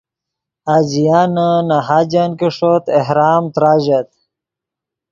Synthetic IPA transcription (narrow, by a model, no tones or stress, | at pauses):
ad͡ʑijaːnənaɦaːd͡ʑankiʂot̪ehɾaːmt̪ɾaːʑat̪̚